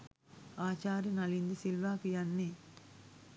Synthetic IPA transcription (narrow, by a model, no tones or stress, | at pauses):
aːt͡ʃaːɾinɐlind̪ɯsilʋaːkɯjɐnːi